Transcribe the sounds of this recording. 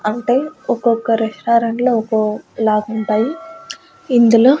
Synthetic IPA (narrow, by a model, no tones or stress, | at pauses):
ɐɳʈe̞ːɔkɔkːɐɾeʂʈaːɾɐɳloɔkolaːɡuɳʈaːji | ind̪uloː